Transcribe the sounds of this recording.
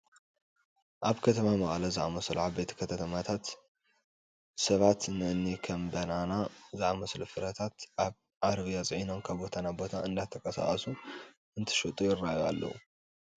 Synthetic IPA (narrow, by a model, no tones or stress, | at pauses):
ʔaβkʰɐt̪ʰɐmamɐχʼlɐzɨʕamɐsluʕaβbe̞t̪ʰkʰɐt̪ʰɐt̪ʰɐmat̪ʰat̪ | sɐβat̪nɨʔɨnːikʰɐmbɐnanazɨʔamɐslufɨɾɐt̪ʰat̪ʔaβ | ʕaɾβijat͡sʼɨʕino̞nkʰaβbo̞t̪ʰanabo̞t̪ʰaɨnd̪at̪ʰːɐkʼɐsa̰χʼɐsu | ɨnt̪ʰɨ̥ʃut̪ʼujɪrajua̰lːɐ̰wṵ